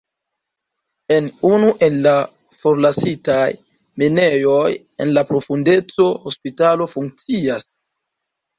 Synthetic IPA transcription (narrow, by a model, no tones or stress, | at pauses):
e̞nunuʔe̞nːa | fo̞ɾlasitaj | mene̞jo̞j | e̞̰nlapɾo̞funde̞t͡so̞hospitalo̞fuŋk̚t͡sias